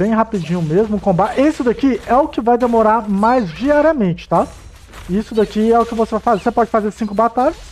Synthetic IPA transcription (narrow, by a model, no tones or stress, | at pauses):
bẽj̃ɦapid͡ʒĩɲʊmezmʊkõbaesɪd̪ɐkiɛʊkɪvajd̪emoɾaɾmajzd͡ʒiaɾiɐmẽt͡ʃɪ̥t̪a | isʊd̪ɐkiɛʊkɪvosevajfazeɾsepɔd͡ʒɪfazeɾsĩŋkʊbat̪aʎɐs